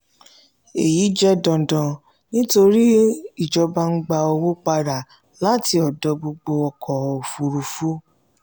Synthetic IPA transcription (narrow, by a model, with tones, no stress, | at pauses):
e˨ji˨˦d͡ʒɛ˦dɔ̃˨dɔ̃˧˨ | nĩ˦to˧ɾi˦i˦˨d͡ʒɔ˧ba˧ŋ̩˦ɡ͡ba˧o˧wo˦k͡pa˧ɾa˨ | la˨˦ti˧ɔ˨dɔ˨˧˦bo˧ɡ͡bo˧ɔ˧kʰɔ˨˧o˨fu˧ɾu˧fu˦